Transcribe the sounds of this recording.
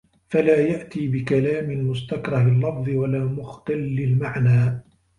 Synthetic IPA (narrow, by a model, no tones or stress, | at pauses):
falaːjaʔt̪iːbɪkalaːmɪlmʊst̪akɾˤɑhalːɑfðˤɨwalaːmʊxt̪alːɪlmaʕnaː